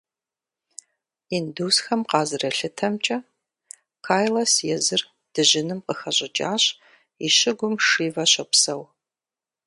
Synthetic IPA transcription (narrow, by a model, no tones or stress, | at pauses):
induːsxɐmqɑːzɨrɐɬɨtʰɐmt͡ʃʼɐ | kʰaːjlɐsjɛzɨr | d̥ɨʑɪnɨmqəxɐɕʼɪt͡ʃʼaːɕ | iʃɪɡʷʊmʂiːvɐɕɐpsɐw